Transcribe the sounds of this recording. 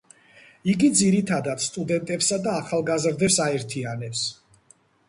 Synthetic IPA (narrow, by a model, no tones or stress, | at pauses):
iɡid̪ziɾit̪ʰad̪at̪st̪ʼud̪ɛnt̪ʼɛpsad̪aːχalˠɡazɾd̪ɛpsaɛɾt̪ʰianɛps